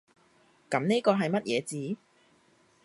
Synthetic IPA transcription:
kɐ˨˥mne˥kɔː˧ɦɐ˨jmɐ˥t̚jɛ̰ː˨˧t͡siː˨˥

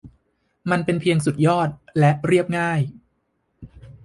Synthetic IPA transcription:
ma˧npe˧npʰi˧əŋsu˨˩t̪̚jɔː˥˩t̪̚lɛ˦˥ʔɾi˥˩əp̚ŋaː˥˩j

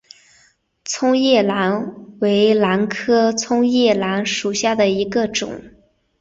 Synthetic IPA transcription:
t͡sʰʊ˥ŋjɛ˥˩la˧˥nwe˧˥ɪla˧˥nkʰɤ˥t͡sʰʊ˥ŋjɛ˥˩la˧˥nʂu˨˩ɕja˥˩d̪ə˩i˧˥ɡə˧ʈ͡ʂʊ̰˨˩˦ŋ

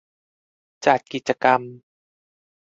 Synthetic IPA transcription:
t͡ɕa˨˩t̪̚ki˨˩t̪̚t͡ɕa˧ka˧m

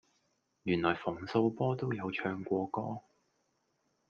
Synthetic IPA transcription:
jyː˨˩nlɔː˨˩jfʊ˨˩ŋso˧wpɔː˥t̪o˥wjɐ˨˧wt͡ʃʰœː˧ŋkʷɔː˧kɔː˥

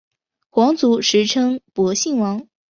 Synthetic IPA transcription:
xwɑ˧˥ŋt͡su˧˥ʂɻ̩˧˥ʈ͡ʂʰɤ˥ŋpwɔ˧˥ɕi˥˩ŋwɑ˧˥ŋ

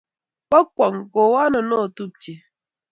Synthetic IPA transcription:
k͡pa˦kwɔ˨ŋɡo˨wa˦nə˨no˦˨tu˦p̚t͡ʃi˨

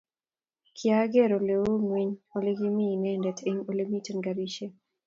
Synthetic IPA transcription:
kʰja˦ɡe˦˨ɾo˨le˨wo˦ŋwi˦ɲo˨lɪ˦ɡɪ˦mi˦˨nɛ˦ndɛ˨tʰe˦ŋo˦le˦mi˦te˨nɡa˨ɾi˦ʃe˦

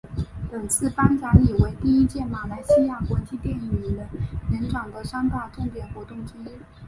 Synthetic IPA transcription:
pə˨˩ŋt͡sʰɹ̩˥˩pa˥nt͡sa˧˥li˨˩we˧˥ɪt̪i˥˩i˥t͡ɕjɛ˥˩ma˨˩la˧˥ɪɕi˥ja˥˩kwa˧˥nt͡ɕʰi˥˧t̪jɛ˥˩n˧i˧˥˩d̪ə˧nə˧˥nʈ͡ʂɑ˨˩ŋd̪ə˦ʂɑ˥ŋt̪a˥˩ʈ͡ʂʊ˥˩ŋt̪jɛ˨˩nxwɔ˧˥t̪ʊ˥˩ŋʈ͡ʂ̩˥i˥

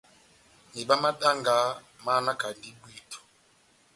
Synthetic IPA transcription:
ni˨ɓa˦ma˦ɗa˦ŋɡa˨˦ | ma˦na˦ka˨ndi˦bwi˦˨tʰu̥˨

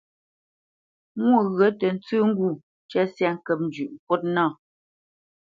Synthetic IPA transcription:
mwo˦˨ɣɰə˨˦tə˨n̩˦t͡sʉ˦ŋ̩˦ɡu˦˨ | t͡ʃɛ˦sjɛ˦˨ŋ̩˦kə˨p̚n̩˨d͡ʒʉ˨ʔŋ̩˨kwo˦t̚nɔ˦˨

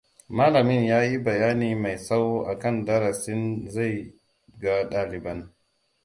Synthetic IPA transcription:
maː˦lɐ˨mɪ˦njaː˦ji˦bɐ˨jaː˦niː˨ma˨jsa˦wʔa˨kɐ˦˨ndɐ˦ɾɐ˨sɪ˦nza˦˨j | ɡa˦ɗaː˦lɪ˨bɐ˦n

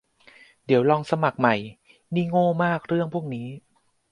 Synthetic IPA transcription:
di˩˦wlɔː˧ŋsa˧ma˨˩k̚ma˨˩j | niː˥˩ŋoː˥˩maː˥˩k̚ɾɯ˥˩əŋpʰu˥˩ək̚niː˦˥

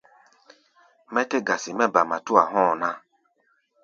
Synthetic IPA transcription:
mɛ˦te˦ɡa˨si˨mɛ˦ba˨ma˨tu˦a˨ɦɔ̃ː˦˨nã˦

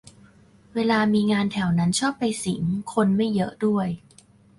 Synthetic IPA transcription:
weː˧laː˧miː˧ŋaː˧nt̪ʰɛ˨˩˦wna˦˥nt͡ɕʰɔː˥˩pːa˧jsi˨˩˦ŋkʰo˧nma˥˩jːɤ˦˥ʔdu˥˩əj

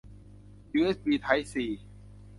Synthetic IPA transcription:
juː˧ʔe˦˥sbiː˧t̪ʰa˦˥jsiː˨˩

